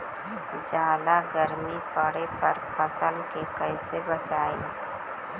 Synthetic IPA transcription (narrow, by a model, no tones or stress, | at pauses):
d͡ʒaːlaɡəɾmipəɽepɐɾpʰəsəlkekəɪsebət͡ʃaːẽ